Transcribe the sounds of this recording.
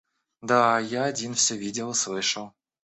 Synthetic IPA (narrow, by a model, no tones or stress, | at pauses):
d̪ajaɐdʲinfsʲɵvʲidʲɪlˠɨslˠɨʂəlˠ